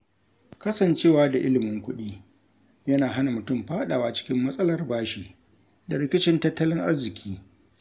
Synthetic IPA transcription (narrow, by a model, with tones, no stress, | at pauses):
kɐ˦sɐ˨nt͡ʃeː˦˨waː˦da˨ʔɪ˦lɪ˨mɪ˦ŋkʷʊ˦ɗiː˦ | jɐ˦naː˨ɦa˦na˨mʊ˨tʊ˦˨mɸaː˦ɗaː˨waː˦t͡ʃɪ̥˦kʲɪ˦mːɐ˦sʼɐ˦lɐ˨rbaː˦ʃiː˨ | da˨ɾɪ˦kʲɪ˦t͡ʃɪ˦ntɐ˦tːɐ˦lɪ˦ŋʔa̰˦rzɪ˨kʲʰiː˦